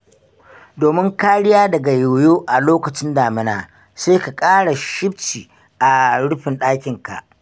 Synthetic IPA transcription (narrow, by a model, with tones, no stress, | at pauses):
doː˨mɪ˦ŋkaː˦ɽɪ˦jaː˦dɐ˨ɡa˨jo˨joː˦ʔa˨loː˦kɐ˨t͡ʃɪ˦ndaː˨mɪ˦na̰ː˨ | seː˦ka˨kʼaː˦ɽa˨ʃɪ˦b̚t͡ʃiː˨ | ʔa˨ɽʊ˦ɸɪ˨nɗaː˦kʲɪ˨ŋka̰˨ʔ